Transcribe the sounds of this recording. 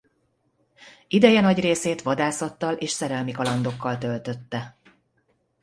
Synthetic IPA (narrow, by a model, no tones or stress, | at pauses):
id̪ɛjɛnɒɟreːseːt̪ʋɒd̪aːsɒt̪ːɒleːʃsɛɾɛlmikɒlɒnd̪o̞kːɒlt̪ølt̪ø̞t̪ːɛ